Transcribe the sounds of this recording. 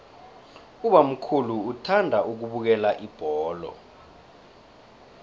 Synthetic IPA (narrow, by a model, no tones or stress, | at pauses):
uɓam̩kʰuluːtʰandʱaʔuk̬uɓuk̬ɛlaʔib̥ʱɔːlɔ̰